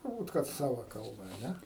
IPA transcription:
tʊrˈbuːt kɐt ˈsɑːʋɐ ˈkɐlˠbɐ ɐ ˈnʲɛ

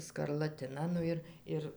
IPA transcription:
skɐrlˠɐˈtʲɪnɐ ˈnʊ ɪr ˈɪr

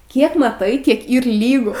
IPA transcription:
ˈkʲiɛk mɐˈtɐɪ ˈkʲiɛk ˈiːr ˈlʲiːɡʊ

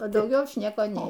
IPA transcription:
ɐ dɐʊˈɡʲɛʊ ˈɐʃ ˈnʲiɛkoː ˈnʲɛɪ

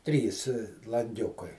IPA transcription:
ˈtʲrʲiːs lˠɐŋʲˈɡʲʊkɐɪ

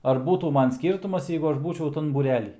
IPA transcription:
ɐr ˈbuːtuː ˈmɐn ˈsʲkʲiːrtʊmɐs ˈjɛɪɡʊ ˈɐʃ ˈbuːt͡ʃʲɛʊ ˈtɐn buːˈrʲæːlʲiː

